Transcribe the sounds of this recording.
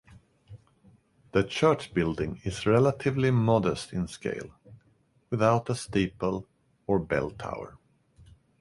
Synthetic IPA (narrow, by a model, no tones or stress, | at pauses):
ðɨt͡ʃʰɜɹt͡ʃb̥ɪlˠdɪ̃ŋɪzɹɛlətʰɪvlimɑdəstɪ̃nskḛɪlˠ | wɨðaʊɾəsteɪpəlˠ | ə˞bɛ̰lˠtʰa̰ʊə̰˞